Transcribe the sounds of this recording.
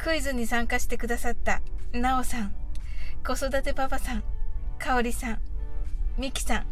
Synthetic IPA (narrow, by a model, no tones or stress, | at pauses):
kɯ̟izɨɲ̟ːisãŋkaɕi̥t̪e̞kɯ̟d̪asat̪ːanao̞sãŋ | ko̞so̞d̪at̪e̞pabasãŋkaoɾʲisãŋ | mʲikʲi̥sãŋ